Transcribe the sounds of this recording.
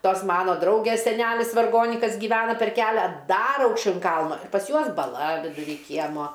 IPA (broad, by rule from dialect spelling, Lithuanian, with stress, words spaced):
ˈtoːs ˈmɑːnoː ˈdrɐʊɡʲeːs sʲɛˈnʲælʲɪs ʋɐrˈɡoːnʲɪkɐs ɡʲiːˈʋʲæːnɐ pʲɛr ˈkʲæːlʲɛ ˈdɐr ɐʊkʃʲˈt͡ʃʲɛʊ ɪn ˈkɐlˠnoː pɐs ˈjuɔs bɐˈlˠɐ ʋʲɪdʊˈrʲiː ˈkʲiɛmoː